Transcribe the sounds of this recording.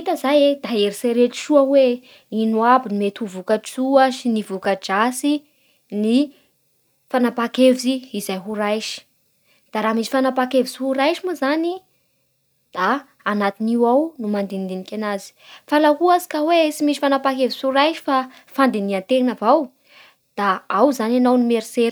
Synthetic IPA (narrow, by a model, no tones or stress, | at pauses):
it̪əzajed̪aeɾiseɾet̪i̥ʃuəwe | inuabinimet̪uvukat͡suaʃinivukad͡ʒasi | ni | fanapakevziiz̥ajɦuɾajʃi̥ | d̪̥aɾaːmisi̥fanapakevisihuɾajʃimuzani | d̪̥aː | nat̪iniwawnumand̪end̪enikʲanazi̥falaɦuazi̥kəwesimiʃifanapakevisuɾajʃi̥fa | fand̪eniant̪eŋnavaw | d̪̥aawzananawnimeɾiseɾ